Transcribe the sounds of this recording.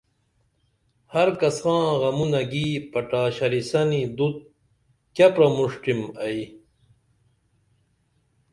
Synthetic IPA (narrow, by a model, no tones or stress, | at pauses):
hɐɾkɐsxãːɣɐmunɐɡiːpɐʈaːɕɐɾisɐnid̪ut̪̚ | kɐpɾɐmuʂʈimɐi